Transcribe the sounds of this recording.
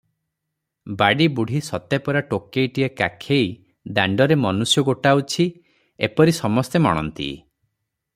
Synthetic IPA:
baɽibuɽ̤ʱisɔt̪epɔɾaʈokːejʈiekakʰej | d̪aɳɖɔɾemɔnusjɔɡoʈawt͡ʃʰi | epɔɾisɔmɔst̪emɔ̰ɽ̃ɔ̰nt̪ḭ

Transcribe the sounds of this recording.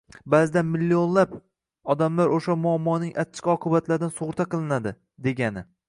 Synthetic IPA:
bazɪd̪anmɪlːionlap | ɒd̪amlaɾoʃamʊamːɒnɪŋʔat̪ːʰɪ̥qɒqʰɨbat̪ʰlaɾd̪ansʊʁʊɾt̪ʰaqɨlˠɪnad̪ɪ | d̪e̞ɡʲanɪ

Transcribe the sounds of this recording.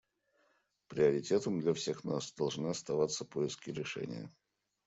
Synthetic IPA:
pɾʲɪɐɾʲɪtʲe̞t̪əmd̪lʲɐfsʲe̞xnasd̪ɐlˠʐnɨɐst̪ɐvat̪sːəpoɪskʲɪɾʲɪʂɛ̰nʲɪ̰jə̰

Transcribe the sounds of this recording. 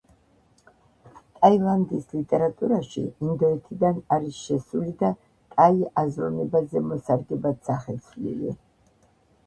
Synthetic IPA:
t̪ʼailˠand̪islit̪ʼɛɾat̪ʼuɾaʃḭːnd̪ɔɛt̪ʰid̪anaɾisʃɛsulid̪a | k̪ʼaiʔazɾɔnɛbazɛmɔsaɾɡ̪ɛbad̪saχɛt̪sʰlḭlḭ

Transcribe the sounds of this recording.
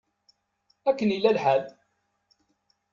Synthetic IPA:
ækːənilːælħæð

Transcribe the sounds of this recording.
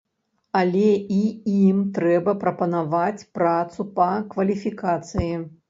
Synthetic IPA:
ɐlʲɛiimt̪ɾɛbɐpɾɐpɐnavat͡sʲpɾat̪supɐkvɐlʲifʲikat̪sɨji

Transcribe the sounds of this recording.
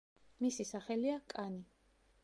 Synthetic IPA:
misisaχɛliakʼani

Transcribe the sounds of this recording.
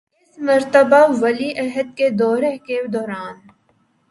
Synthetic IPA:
ɪsmɐɾt̪əbaʋɐliʔɐɦəd̪̚ked̪ɔːɾeked̪ɔːɾaːn

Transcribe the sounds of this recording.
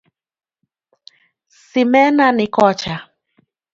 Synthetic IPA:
simɛnanɪkɔt͡ʃa

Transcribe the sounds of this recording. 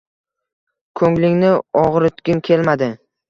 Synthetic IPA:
kʰɵŋlɪŋnɪɒʁɾɪt̪ɡʲɪnkʲʰe̞lmad̪ɪ

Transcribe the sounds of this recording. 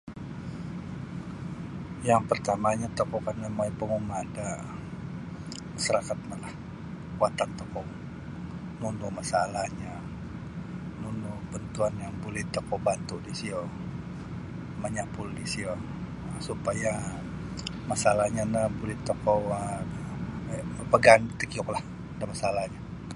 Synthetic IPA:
jaŋpərt̪amaɲat̪okɔkanamaipəŋumada | masaɾakat̪̚malah | kuat̪ant̪okɔ | nunumasalahɲa | nunubənt̪uanjaŋbulɪt̪ːokɔbat̪udisio | məɲapuldisio | supaja | masalahɲanabulɪt̪ːokɔa | pəpəɡanbt̪əkiʊklah | damasalaɲa

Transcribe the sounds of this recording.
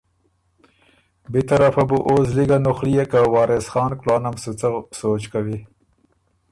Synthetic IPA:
bit̪aɾafabuʔos̬liɡanʊxlijekawɑːɾɪsxɑːnklɑːnamsut͡sasoːt͡ʃkawi

